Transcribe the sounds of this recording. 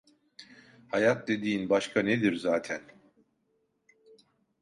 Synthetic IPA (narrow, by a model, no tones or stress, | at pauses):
hajat̪̚d̪e̞d̪iːnbaʃkʰaned̪iɾzaːt̪ʰæn